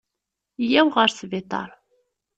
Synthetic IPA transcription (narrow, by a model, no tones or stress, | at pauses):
jæwʁəɾsvɪt̪ˤɑ̰ɾˤ